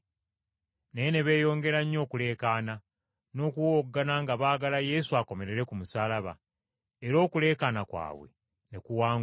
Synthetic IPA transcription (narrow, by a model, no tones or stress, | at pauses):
nejene̞βe̞ːjo̞ːŋɡe̞ɾaɲːo̞ːkule̞ːkaːna | no̞ːkuwoːɡːanaŋɡaβaːɡalaje̞suako̞me̞ɾe̞ɾe̞kumusaːlaβa̰ | eɾo̞ːkule̞ːkaːnakwa̰ːβwḛ | ne̞kuwaːŋ